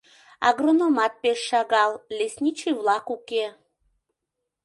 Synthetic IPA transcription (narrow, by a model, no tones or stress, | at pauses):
ɑ̰ɣronomɑt̪̚peʃːɑɣɑlˠlesʲnʲit͡ɕɨjvlˠɑkuke